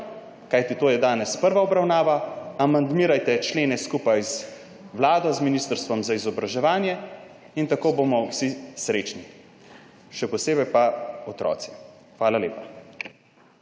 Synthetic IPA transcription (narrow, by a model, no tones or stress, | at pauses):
kajt̪it̪oːjɛd̪aːnɛspəɾʋaɔbɾawnaːʋaamand̪miːɾajt̪ɛt͡ʃleːnɛskupajz | wlaːd̪ɔzminist̪əɾst̪ʋɔmzaizɔbɾaʒɛʋaːnjɛ | int̪akoːbomɔwsisɾeːt͡ʃni | ʃɛpɔseːbɛjpaɔt̪ɾɔ̰ːt̪si̥xʋaːlalḛːpa